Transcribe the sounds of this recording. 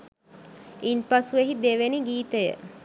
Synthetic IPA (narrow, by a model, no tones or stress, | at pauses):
inpasueɦid̪eʋeniɡiːt̪əjə̰